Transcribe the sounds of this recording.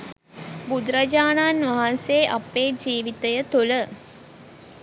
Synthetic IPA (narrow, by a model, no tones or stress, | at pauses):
bud̪ɾɐd͡ʒaːnaːnʋɐɦanseʔapeːd͡ʒiːʋit̪əjət̪ulə